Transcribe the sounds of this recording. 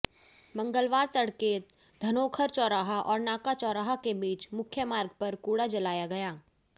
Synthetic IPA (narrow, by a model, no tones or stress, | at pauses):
mɐ̃ŋɡəlʋaːɾt̪ɐɽkeː | d̪ʱɐnoːkʰəɾt͡ʃɔːɾaːɦaʔɔːɾnaːkat͡ʃɔːɾaːɦakebiːt͡ʃmʊkʰjəmaːɾɡpɐɾkuːɽad͡ʒɐlaːjaɡɐjaː